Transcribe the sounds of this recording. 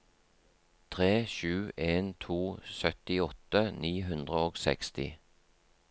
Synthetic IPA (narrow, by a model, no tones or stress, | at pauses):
t̪ʰʁeːʃʉːʔeːnt̪ʰuːsœt̪ɪɔt̪əniːɦʉnd̪ʁəoːɡsɛ̰kst̪ɪ̰